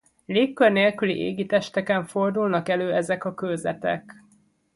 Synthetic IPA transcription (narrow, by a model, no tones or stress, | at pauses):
leːkːørneːlkylḭʔḛːɡit̪ɛʃt̪ɛkɛɱfo̞rd̪ulnɒkɛløːɛzɛkɒkølzɛ̰t̪ɛ̰k